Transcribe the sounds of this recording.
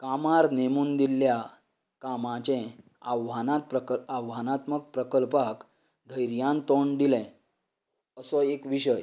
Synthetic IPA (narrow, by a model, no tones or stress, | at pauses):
kamaɾnemuːnd̪ilːja | kamãt͡ɕɛ̃ | aʋanat̪̚pɾəkawɦanat̪mək̚pɾəkəlpak | d̪ʱəjɾjãnt̪oɳd̪ilɛ̃ | əsɔekʋiɕəj